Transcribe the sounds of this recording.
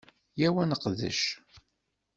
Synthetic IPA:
jæwænəqðə̰ʃ

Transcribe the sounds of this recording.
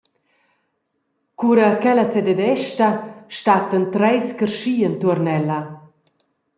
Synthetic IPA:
kuɾəkɛlasɛd̪ed̪ɛʃt̪aʃt̪at̪ənt̪ɾɛjskərʃiːənt̪uəɾnɛla

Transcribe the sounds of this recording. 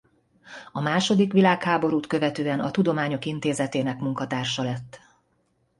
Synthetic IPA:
ɒmaːʃo̞d̪ikʋilaːkhaːbo̞ɾuːt̪kø̞vɛt̪øːɛnɒt̪ud̪o̞maːɲo̞kint̪eːzɛt̪eːnɛkmuŋkɒt̪aːrʃɒlɛt̪ː

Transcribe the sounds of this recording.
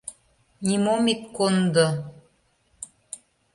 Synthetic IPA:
nʲimomikːond̪ɤ̆

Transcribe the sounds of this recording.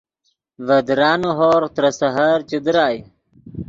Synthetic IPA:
vɐd̪ɾaːnuɦoːɾt̪ɾɐsɐɦaɾt͡ɕud̪ɾaːj

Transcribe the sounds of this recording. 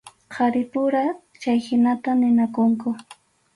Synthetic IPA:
qʰɑɾɪpʊɾa | t͡ʃajhɪnat̪anɪnakʊŋkʊ

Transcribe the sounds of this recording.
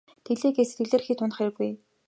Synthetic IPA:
t̪ʰeɮeːɡeːse̥t̪ɘ̆ɮeːrxiːt̪ʰʊnə̆χæɾɘ̆ɣuj

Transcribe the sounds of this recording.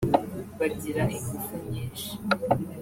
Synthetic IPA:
βaɟiɾaʔiŋɡufuɲɲiːnʃi̥

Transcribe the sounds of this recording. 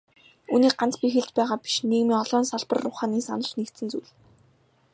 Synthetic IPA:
uːniːk̚ɢant͡spixeɮt͡ɕpæːʁaːpi̥ʃneːɣmiːŋɔɮɔːnsaɮpə̆rːʊχaːniːsa̰nə̆ɮnekt̪sɘ̆nt͡suɮ

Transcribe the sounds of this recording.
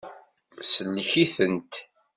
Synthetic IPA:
sənːçiθənt̪

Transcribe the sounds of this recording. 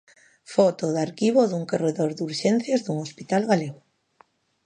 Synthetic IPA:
fot̪oðaɾkiβ̞oðuŋkoreðoɾðuɾʃen̟θjazðuŋospit̪alɣaleɣw

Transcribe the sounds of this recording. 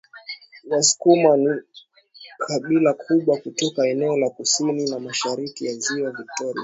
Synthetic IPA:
wasu̥kumani | kʰaɓilakʰuɓwakutɔkaɛnɛɔlakusininamaʃaɾikijaziwavik̚tɔɾia

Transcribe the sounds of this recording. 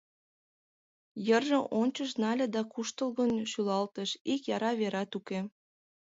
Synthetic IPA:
jərʒəʔonʲt͡ɕəʃnɑlʲĕd̪ɑkuʃt̪əlɣənʃylɑlt̪əʃikjɑɾɑβeɾɑt̪uke

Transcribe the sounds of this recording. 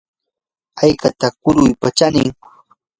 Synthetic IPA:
ajkat̪akʊɾʊjpat͡ʃanɪŋ

